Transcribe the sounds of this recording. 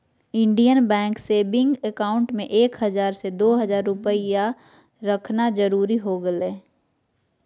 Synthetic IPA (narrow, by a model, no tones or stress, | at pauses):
ɪ̃ɳɖijənbɛ̃ːŋkseːbɪ̃ŋɡekaːʊ̃ɳʈmẽʔeːkɦəzaːɾsed̪oːɦəzaːɾːʊpəija | ɾəkʰnad͡ʒəɾuːɾiɦoɡəleː